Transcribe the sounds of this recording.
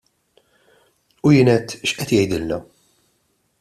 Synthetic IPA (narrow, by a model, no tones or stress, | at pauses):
ujɪːnɛt̪ːʃʔɛt̪jɛjd̪ɪlːɐ